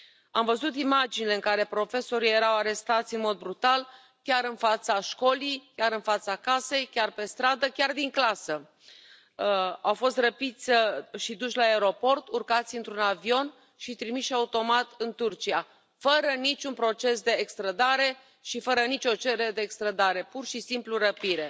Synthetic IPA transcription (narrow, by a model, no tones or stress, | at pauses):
amvəzut̪imad͡ʒinileɨŋkaɾe̞pɾo̞fe̞so̞ɾije̞ɾawaɾe̞st̪at̪sʲɨnmo̞d̪̚bɾut̪al | kʲaɾɨnfat̪saʃko̞lijkʲaɾɨnfat̪sakase̞jkʲarpe̞st̪ɾad̪əkʲard̪iŋklasə | awfo̞st̪rəpit̪sʲʃid̪uʃlaeɾo̞po̞rt̪urkat̪sʲɨnt̪ɾunavio̞n | ʃit̪ɾimiʃaut̪o̞mat̪ɨnt̪urt͡ʃia | fəɾənit͡ʃʲunpɾo̞t͡ʃe̞s̬d̪e̞ːkst̪ɾəd̪aɾe̞ | ʃifəɾənit͡ʃʲo̞t͡ʃe̞ɾed̪e̞ːkst̪ɾəd̪aɾe̞purʃisimpluɾəpiɾe̞